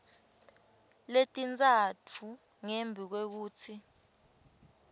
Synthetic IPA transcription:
letʼint͡sʼatʰu | ŋembʱik̬wek̬uːtʰi

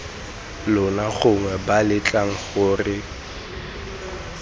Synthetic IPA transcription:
lʊnaχʊŋwɛbalɪt͡ɬʼaŋ̩χʊːrɪ

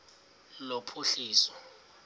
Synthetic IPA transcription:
lopʰuɬiːsɔ̥

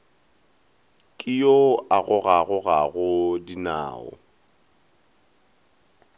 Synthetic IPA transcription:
kʼɪjoaɣʊɣaɣʊɣaɣʊdina̰ːɔ̰

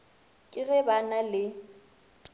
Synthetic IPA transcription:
kʼɪɣɛbanalɪ

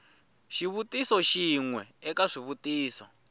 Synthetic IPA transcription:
ʃiβutisɔʃiŋwɛɛkaʂiβutʼiːsɔ

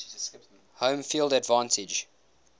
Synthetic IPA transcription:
hõʊ̃mfiːlˠdədvɑ̃ːntʰɪd͡ʒ

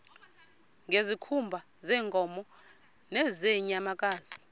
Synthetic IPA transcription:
ŋɡʱezikʰumbʱa | zɛːŋkʼɔmɔ | nɛzeɲamakʼaːzi

